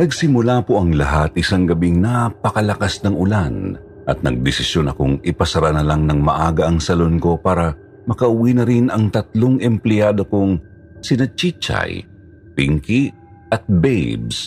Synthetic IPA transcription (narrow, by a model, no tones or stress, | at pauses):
nɐɡsɪmʊlapoʔɐŋlɐɦat̪ʔɪsaŋɡɐbiŋnapɐkɐlɐkasnɐŋʔʊlan | ʔɐt̪̚nɐ̰ɡ̚d̪ɪsɪsjo̞nɐ̰kʊŋʔɪpɐsɐɾanɐlaŋnɐŋmɐʔaːɡɐʔɐŋsɐlo̞nko̞paːɾɐ | mɐkɐʔʊwinɐɾinɐŋt̪ɐt̪̚loŋɛmplɛjaːd̪o̞koŋ | sɪnɐt͡ʃit͡ʃa̰j | piŋki | ʔɐt̪̚bɛjbs